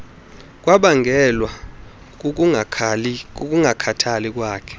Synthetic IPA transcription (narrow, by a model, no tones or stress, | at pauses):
k̬ʼwaɓaŋɡʱɛlwa | k̬ʼuŋakʰatʰalik̬ʼwaːkʰɛ̥